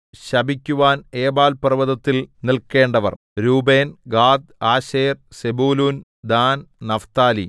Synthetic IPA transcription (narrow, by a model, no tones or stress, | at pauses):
ɕɐbʱikʲːuʋaːneːbaːlpɐrɨʋɐðɐt̪ːilnilke̞ːɳɖɐʋɐ̰r | ɾuːbeːnɡaːd̪̚aːɕeːrsebuːluːn | d̪aːnnɐft̪aːlḭ